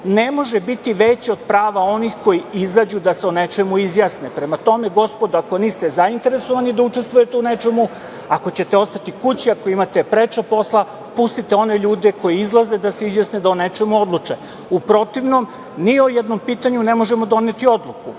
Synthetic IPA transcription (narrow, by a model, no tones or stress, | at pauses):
ne̞mo̞ʒebit̪iʋet͡ɕio̞d̪pɾaːʋao̞nixko̞jiizad͡ʑud̪aseone̞t͡ʃemuizjasnepɾemat̪o̞me̞ɡo̞spo̞d̪uako̞niːst̪e̞zaint̪e̞ɾe̞soʋanid̪aut͡ʃest̪ʋujet̪eune̞t͡ʃe̞mu | ako̞t͡ɕe̞t̪e̞o̞st̪at̪ikut͡ɕiako̞imat̪epɾet͡ʃapo̞slˠa | pust̪it̪eo̞ne̞ʎuːd̪e̞ko̞jiizlˠaze̞d̪aseizjasned̪aone̞t͡ʃe̞muo̞d̪lˠut͡ʂe | upɾo̞t̪iʋno̞m | niojed̪no̞mpiːt̪aɲune̞mo̞ʒe̞mo̞d̪o̞net̪io̞d̪lˠuku